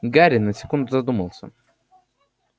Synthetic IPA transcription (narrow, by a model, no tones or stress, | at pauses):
ɡaɾʲɪnːəsʲɪ̥kund̪ʊzɐd̪uməlˠsʲə̰